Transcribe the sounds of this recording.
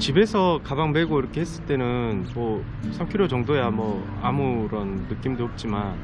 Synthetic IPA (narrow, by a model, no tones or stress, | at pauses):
t͡ɕibe̞sʰʌkabaŋmeɡoiɾʌkʰe̞ɦes͈ɯɭt͈e̞nɯnmʌ | sʰamkʰiɾot͡ɕʌŋdojamwʌ | amuɾʌnːɯk͈imdoɦʌp̚t͡ɕ͈iman